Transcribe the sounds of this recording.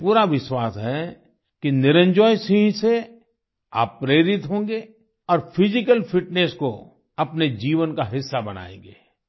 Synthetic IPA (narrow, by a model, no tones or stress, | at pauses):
puːɾaʋɪʃwaːsɦɛ | kinɪɾə̃ɲd͡ʒɔːjsɪ̃ɦse | a̰ːpːɾeːɾɪt̪ɦõːɡeː | ɔːɾfʰɪzɪkəlfʰɪʈnesko | ɐpned͡ʒiːʋənkaɦɪsːabɐna̰ːḛ̃ːŋɡḛː